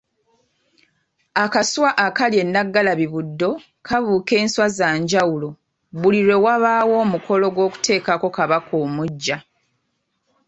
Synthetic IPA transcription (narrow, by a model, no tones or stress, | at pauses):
akasuwaʔakalje̞nːaɡːalaβiβudːo̞ | kʰaβuːke̞ːnswazaːɲɟawulo̞ | βuliɾwe̞waβaːwo̞ːmukʰo̞lo̞ɡwo̞ːku̥te̞ːkako̞kaβakʰo̞ːmuɟːa